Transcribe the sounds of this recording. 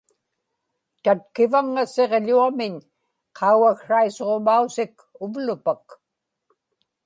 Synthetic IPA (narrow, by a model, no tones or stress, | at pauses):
t̪at̪̚kɪvaŋːaseʁʎuamɪɲ | qʰɑuwakʂaisoʁomausɪk | ʊvlʊpak